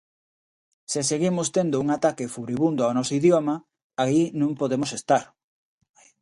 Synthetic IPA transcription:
sɪseɣimʊst̪end̪ouŋat̪akɪfuɾiβund̪oʊaonɔsoiðjomɐ | ainũmpoðemosest̪aɾ

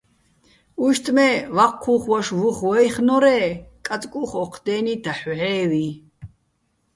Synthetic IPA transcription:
uʃt̪ʼmɛvaqʰːuχwaʃvuχwɔjχnɔɾɛːkʼat͡sʼkʼuχɔqʰd̪ɛːnid̪aħʕɛːwi

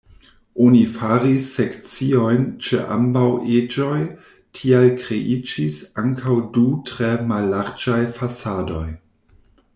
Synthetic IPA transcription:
ʔonifaɾisːekt͡sio̞jnt͡ʃḛʔa̰mbawʔed͡ʒo̞j | tʰialkɾeʔid͡ʒisaŋkʰawdutɾemalːaɾd͡ʒajfasado̞j

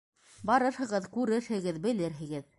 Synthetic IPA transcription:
bɑɾɤɾhɤ̆ʁɤðkʉɾɘɾhɘ̆ɡɘðbɘ̆lɘɾɦɘ̆ɡɘð

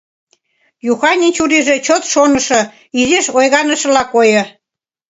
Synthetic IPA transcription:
juxɑnʲinʲt͡ɕuɾiʒĕt͡ɕot̪ʃonə̆ʃɤ̆ | izeʃojɣɑnəʃə̆lɑkojɤ̆

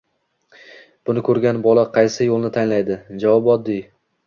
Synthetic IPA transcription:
b̥ʊnɪkʰɵɾɡʲanbɒlˠaqʰɑjsɪjolˠnɪt̪ʰanlajd̪ɪd͡ʒavɒbɒd̪ːɪj

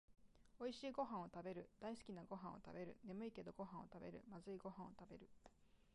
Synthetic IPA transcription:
o̞iɕiːɡo̞ɦãɰ̃o̞t̪abe̞ɾɯ̟d̪̥aisɨ̥kʲinaɡo̞ɦãot̪a̰be̞ɾɯ̟̰ne̞mɯ̟ike̞d̪o̞ɡo̞ɦão̞̰t̪abe̞̰ɾɯ̟̰mazɨiɡo̞ɦãɰ̃o̞t̪abe̞ɾɯ̟

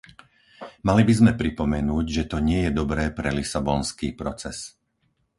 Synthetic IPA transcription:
malibizmɛpɾipɔmɛnuːɟʒɛt̪ɔɲɪɛjɛd̪ɔbɾɛːpɾɛlisabɔnskiːpɾɔt͡sɛs

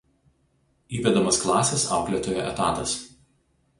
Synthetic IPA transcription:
iːʋʲɛd̪ɐmɐsklˠɑːsʲɛsɑ̰ˑʊklʲɛt̪oːjo̰ʔɛt̪ɑ̰ːt̪ɐs

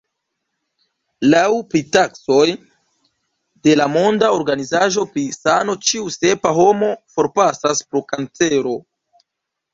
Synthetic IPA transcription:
lawpɾitakso̞j | de̞lamo̞ndao̞ɾɡanizaʒo̞pɾisano̞t͡ʃiuse̞paɦo̞mo̞fo̞ɾpasaspɾokant͡se̞ɾo̞

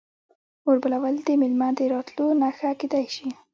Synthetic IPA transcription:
oɾbəlawald̪əmɪlmad̪əɾɑt̪lonaxaked̪ajʃi

